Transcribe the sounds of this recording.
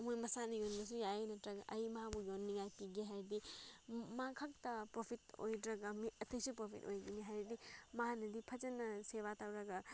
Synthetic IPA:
ɐmojmɐsanɐjonɡis̬ujajenɐtɾɐɡɐʔɐjmɐɦabujonːiŋajpiɡiɦajɾdi | makʰak̚tɐpɾopʰito̰jdɾɐɡɐmiɐtʰɐjsipɾopʰḭto̰jɡiniɦajɾdimɐɦanɐdipʰɐd͡ʒɐnːɐseβatawɾɐɡɐ

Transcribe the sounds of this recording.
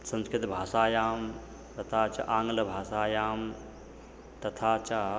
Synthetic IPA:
sɐ̃nskɾɪt̪bʱaːsaːjaːm | t̪ɐt̪ʰaːt͡ʃɐ̰ʔãːŋɡlɐbʱaːsaːjaːm | t̪ɐt̪ʰaːt͡ʃa

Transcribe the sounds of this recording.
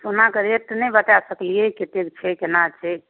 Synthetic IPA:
sonakəɾet̪nɛbət̪asəklijeket̪ekt͡ʃʰɛkenat͡ʃʰɛ

